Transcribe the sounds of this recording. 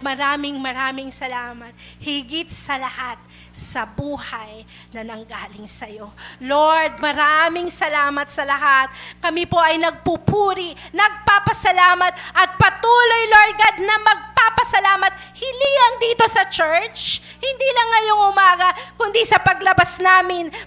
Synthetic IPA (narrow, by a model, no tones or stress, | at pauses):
t̪̚mɐɾaːmɪŋmɐɾaːmɪŋsɐlaːmɐt̪̚ | hɪɡɪt̪̚sɐlɐhat̪̚ | sɐbuːhɐj | nɐnɐŋɡaːlɪŋsɐjo̞loɹd̪̚mɐɾamɪŋsɐlaːmɐt̪̚sɐlɐɦat̪̚kɐmipo̞ʔɐjnɐɡ̚pupuːɾinɐɡ̚papɐsɐlaːmɐt̪̚ʔɐt̪̚pɐt̪uːlo̞jloɹd̪̚ɡad̪nɐmɐɡ̚papɐsɐlaːmɐt̪̚ | hɪlilɐŋd̪iːt̪o̞sɐt͡ʃɛɹt͡ʃ | hɪnd̪ilɐŋːɐjo̞ŋʔʊmaːɡɐkʊnd̪isɐpɐɡlɐbasnaːmɪn